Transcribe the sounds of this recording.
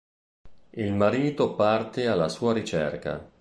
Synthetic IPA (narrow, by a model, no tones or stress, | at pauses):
ilmaɾiːt̪opart̪ealːasuːaɾit͡ʃɛ̰rka̰